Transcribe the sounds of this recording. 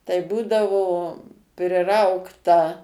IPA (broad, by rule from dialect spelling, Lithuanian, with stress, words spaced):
tɐɪ ˈbuːdɐʋoː pʲrʲɪˈrɐʊktɐ